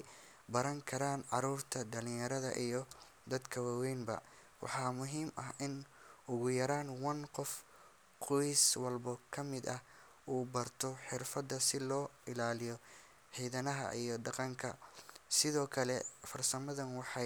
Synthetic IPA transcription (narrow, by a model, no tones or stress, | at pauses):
bɐɾɐŋkʰɐɾaːnʕɑɾuːrt̪ʰɐd̪ɐlɪ̃jɐɾɐðɐ̰ʔijɞ | d̪ɐd̪kʰɐwaːwɛjnbɐ̰ | wɑ̰ħɑːmʊɦiːmɐɦʔɪn | ʊɣʊjɐɾaːnwɐnqɔf | qʰɔjswɐlbɔkʰɐmɪd̪ɐh | uːbɐrt̪ʰɔħɪrfɐd̪ɐsɪlɔː | ɪlaːlɪjɔ | ħiːðɐnɐɦɐ̰ʔijɔɖɑqɑŋkʰɐsɪðɔːkʰɐlɛfɐrsɐmɐðɐnwɑħɑ